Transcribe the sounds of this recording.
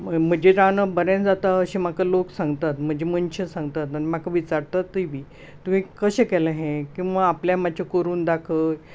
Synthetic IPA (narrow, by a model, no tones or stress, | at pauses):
m̤əd͡ʑeɾanəbəɾẽnd͡zat̪aəɕimakaloksãŋɡt̪at̪m̤əd͡ʑʱemənɕəsãŋɡt̪at̪animakaʋit͡saɾt̪at̪ːəibʱiː | t̪um̤ĩkəɕẽkɛlaɦẽkĩw̃ʋaːpljamat͡ɕʰakəɾuːnd̪akʰəj